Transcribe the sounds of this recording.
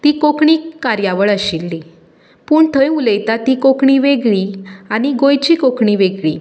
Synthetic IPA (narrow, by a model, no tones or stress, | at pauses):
t̪iːkokɳiːkkːaɾjaʋəɭəɕilːi | puːɳt̪ʰəjuləjt̪at̪iːkokɳiʋeɡɭiːaɽ̃iɡojt͡ɕiːkokɳiʋeɡɭḭː